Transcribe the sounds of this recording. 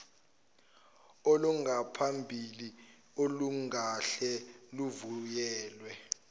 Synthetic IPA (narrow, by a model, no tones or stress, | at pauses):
oluŋɡapʰambʱili | oluŋaɬɛluvujɛːlwɛ